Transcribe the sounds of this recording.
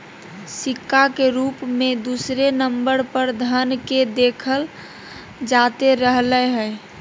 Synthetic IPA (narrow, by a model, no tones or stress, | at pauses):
sɪkːakeɾuːpmẽd̪usɾenəmbəɾpəɾd̪ʱənked̪eːkʰəl | d͡ʒat̪eɾəɦləɦɛj